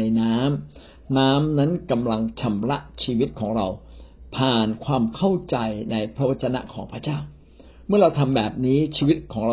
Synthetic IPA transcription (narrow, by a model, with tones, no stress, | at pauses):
a˧jnaː˦˥m | naː˦˥mna˦˥nka˧mla˧ŋt͡ɕʰa˧mɾa˦˥ʔt͡ɕʰiː˧wi˦˥t̪̚kʰɔː˩˦ŋɾa˧wpʰaː˨˩nkʰwaː˧mkʰa˥˩wt͡ɕa˧jna˧jpʰɾa˦˥wa˦˥t̪̚t͡ɕːa˧na̰˦˥ʔkʰɔː˩˦ŋpʰɾa˧t͡ɕaː˥˩w | mɯ˥˩ɐɾa˧wt̪ʰa˧mbɛː˨˩p̚niː˦˥t͡ɕʰiː˧wi˦˥t̪̚kʰɔː˩˦ŋɾa˧